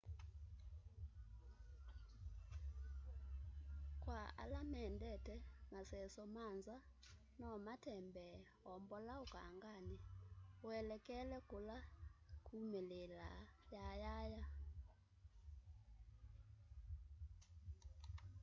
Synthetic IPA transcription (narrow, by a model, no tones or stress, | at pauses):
kwaa̰lamɛndɛtɛmasɛsɔmanza | nɔmatɛmbɛ | ɔmbɔlaoka̰ŋɡanewɛlɛkɛlɛkolakʰumelela̰jajaja